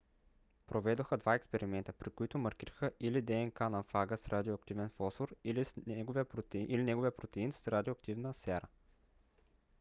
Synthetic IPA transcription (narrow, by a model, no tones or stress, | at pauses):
pɾovɛd̪oxəd̪vaɛkspɛɾimɛnt̪ə̥pɾikoit̪ʊmɐɾkʲiɾəxəʔilid̪ɛɛnkanɐfaɡəsɾad̪ʲioɐk̚t̪ivɛnfɔsoɾilisɛɡoviəpɾoilinɛɡovijəpɾot̪ɛinsɾad̪ʲioːɐk̚t̪ivnəsɛɾə